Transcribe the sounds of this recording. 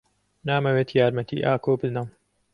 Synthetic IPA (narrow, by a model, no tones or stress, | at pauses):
naːmɐweːt̪ʰjaːɾmɐt̪ḭːʔaːkoːbɨznam